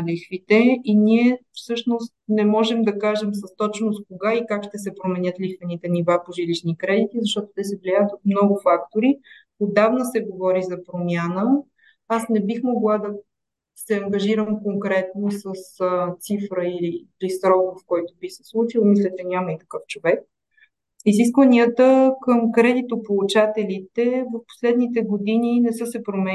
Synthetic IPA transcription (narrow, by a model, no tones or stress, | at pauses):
lixvit̪ɛiniɛfsɤʃnost̪̚nɛmɔʒɛmd̪ɐkaʒɛms̬ɐst̪ɔt͡ʃnost̪̚koɡaikakʃt̪ɛsɛpɾomɛnʲjɤt̪lixvɛnit̪ɛnivapoʒiliʃnikɾɛd̪it̪izɐʃt̪ɔt̪ot̪ɛsɛvliaət̪ot̪mnɔɡʊfakt̪oɾi | od̪avnəsɛɡovɔɾizɐpɾomʲjanə | asnɛbixmoɡlˠad̪ɐ | sɛɐŋɡɐʒiɾəmkoŋkɾɛt̪nosəst̪sifɾəiliːlisɾɔkfkɔjt̪obixsɛ̥slˠut͡ʃilˠmislɛt͡ʃɛnʲaməit̪ɐ̥kɤft͡ʃovɛk̚ | izis̬kvəniət̪əkəmkɾɛd̪it̪opout͡ʃat̪ɛlit̪ɛvɐfpo̥slɛd̪nit̪ɛɡod̪ininɛsɤsɛpɾomɛ